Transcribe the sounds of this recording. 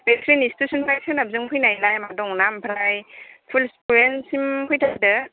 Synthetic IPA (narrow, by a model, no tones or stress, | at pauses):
betɾinistusɯnpʰɾajsʰɯnab̚zɯŋpʰɔjnajlajmadɔŋnampʰɾajpʰulspuɾensimpʰɔjtʰak̚dɯ